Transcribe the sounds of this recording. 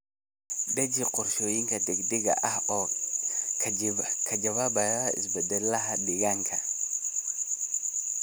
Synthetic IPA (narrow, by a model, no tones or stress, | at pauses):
dɛd͡ʒiqɔɾʃoːjiŋkʰɐd̪ɛɡd̪ɪɡɐ̰ʔɐhɔ | kʰɐd͡ʒɐwaːbɐjaɪ̰sbɛd̪ɛlːɐɦɐdɪɣaŋkʰɐ